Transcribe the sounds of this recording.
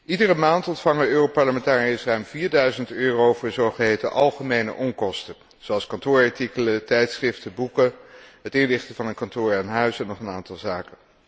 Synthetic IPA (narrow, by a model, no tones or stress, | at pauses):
ʔidərəmaːntɔntfɑŋəøːropɑɹləmɛntaːriɪsrœɥmviːɹdœɥzəntøːrowvʊːɹzɔɹχəɦejtəʔɑlˠχəmejnə̰ʔɔŋkɔstə | z̥owɑlˠskɑntʊːɹɑɹtikələtɛjtsχrɪftəbukəɦətɪnlɪχtəvɑnənkɑntʊːɹanɦœɥsɛnːɔχənaːntɑlˠzaːkə